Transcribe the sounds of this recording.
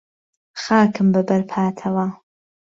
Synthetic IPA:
xaːkɨmbɐbɐɾpʰaːt̪ʰɐwɐ

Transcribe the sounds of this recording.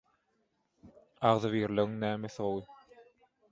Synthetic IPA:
ɑʁðɯβiːɾliɣiŋnæːmeθolˠɯ

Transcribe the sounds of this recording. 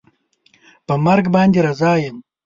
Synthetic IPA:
pəmaɾɡbɑːnd̪eɾazɑːjəm

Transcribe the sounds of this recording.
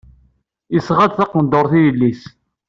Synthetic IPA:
isʁæd̪θɑqənd̪oɾˤθijəlːis

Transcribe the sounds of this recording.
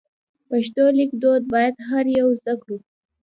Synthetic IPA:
paʃt̪olikd̪od̪̚bɑjad̪ɦaɾjawzd̪akɽu

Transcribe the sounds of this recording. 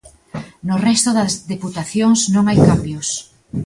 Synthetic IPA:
nʊrɛst̪ʊðɐzðeput̪aθjoŋsnõŋajkambjos

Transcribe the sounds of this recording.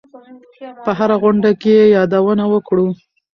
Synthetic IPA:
pəɦaɾaɣʊɳɖakejejɑd̪awənawəkɽu

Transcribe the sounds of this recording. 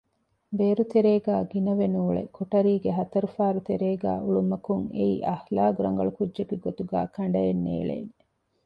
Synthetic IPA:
beːɾut̪eɾeːɡæːɡinɐʋenuːɭḛkoʈɐɾiːɡeɦɐt̪ɐɾufaːɾut̪eɾeːɡæ̰ːuɭumɐkuŋḛiʔɐhlaːɡuɾɐ̰ŋɡɐɭukudʒekiɡot̪uɡæ̰ːkʰɐɳ̆ɖɐenːḛːɭḛːn

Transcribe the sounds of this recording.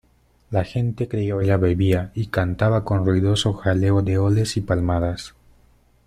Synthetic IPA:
laxe̞nt̪e̞kɾe̞iaeʎaβe̞βiaikant̪aβako̞nruiðo̞so̞xale̞oðe̞o̞le̞sipalmaðas

